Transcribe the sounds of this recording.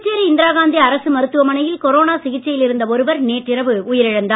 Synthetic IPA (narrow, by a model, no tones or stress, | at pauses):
t͡ʃːeːɾiɪnd̪ɪɾaːɣaːnd̪iɐɾɐsɯmɐɾɯt̪ːɯʋɐmɐnɐjɪlkɔɾoːnaːsɪɣɪʈt͡ʃːɐjɪlɪɾɯnd̪ɐɔɾɯʋɐɾneːʈːɪɾɐʋɯʊjɪɾɪɻɐnd̪aː